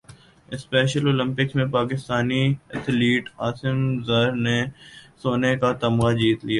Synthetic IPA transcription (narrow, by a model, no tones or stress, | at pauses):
ɪspɛːʃəloːlɪ̃mpɪksmẽpaːkɪst̪aːniɛt̪ʰliːʈaːsɪmzəɾnesoːnekat̪ɐmɡad͡ʒiːt̪lijaː